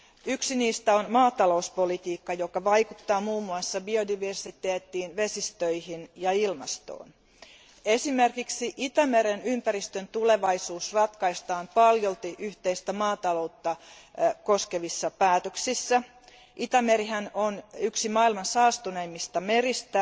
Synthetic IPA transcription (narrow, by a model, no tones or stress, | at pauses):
yksiniːst̪æonmɑːt̪ɑlouspolit̪iːkːɑjo̞kɑʋɑikut̪ːɑːmuːmːuɑsːɑbio̞diʋersit̪eːt̪ːiːnʋe̞sist̪øihinjɑilmɑ̰st̪o̰ːn | esimerkiksiʔit̪æmeɾenympæɾist̪ønt̪ule̞ʋɑisuːsrɑt̪kɑist̪ɑːmpɑljolt̪iʔyht̪eist̪æmɑːt̪ɑlo̞ut̪ːɑko̞ske̞ʋisːɑpæːt̪øksisːæ | ʔit̪æmeɾiɦænonyksimɑːilmɑnsɑːst̪uneimːist̪ɑme̞ɾist̪æ